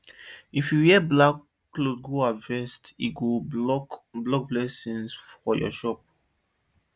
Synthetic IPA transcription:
ifjujɛblakː | lod̚ɡoavɛstḭɡoɔkblɔk̚blɛsĩnsfɔjɔ̰ʃɔp̚

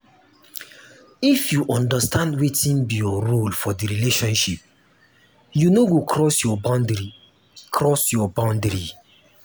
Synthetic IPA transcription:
ifjuʔɔ̃ndastʰãndwetĩnbijɔɾolfɔdiɾileʃɔ̃nʃip̚ | junoɡokʰɹɔsjɔbãndɹi | kɹɔsjɔbãʊ̃ndɹi

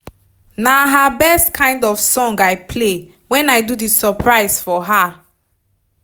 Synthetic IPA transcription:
naɦabɛstkʰãɪ̃ndɔfsɔ̃ŋɡaɪpʰle | wɛ̃naɪdudisəpʰɹaɪsfɔɦa

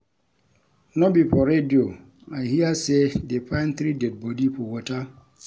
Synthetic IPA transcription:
nɔbipɔɾedio | ajhiasedepãɪ̃nθɾidɛd̚bɔdipɔwɔta

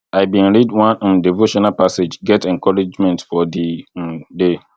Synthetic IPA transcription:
aɪbĩnɹidwãñ̩divoʃɔ̃napʰased͡ʒɡɛtʰɛ̃ŋkʰɔɹid͡ʒmɛ̃ntfɔdĩde

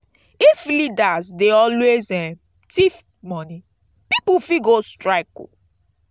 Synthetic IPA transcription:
iflidazdeɔlwezɛ̃ | tif | mɔni | pipufiɡostɹaɪkṵ

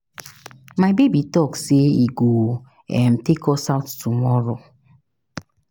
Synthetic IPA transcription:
maɪbebitɔkseiɡo | ɛ̰m̩tekɔsaʊttumɔɾo

